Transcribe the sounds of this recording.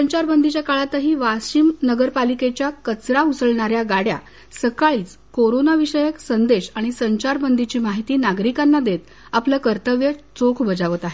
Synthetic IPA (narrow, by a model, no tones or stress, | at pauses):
səɲt͡ɕaɾbənd̪ʱit͡ɕjakaɭat̪əɦiːʋaɕiːmnəɡəɾpaliket͡ɕjakət͡sɾausəɭɳaɾjaɡaɽja̰ | səkaɭiːt͡s | koɾonaʋiɕəjəksənd̪eɕaɽ̃isəɲt͡ɕaɾbənd̪ʱit͡ɕiːmaɦit̪iːnaɡɾikanːad̪et̪ | apləkəɾt̪əʋjət͡sokʰbəd͡zaʋət̪aɦe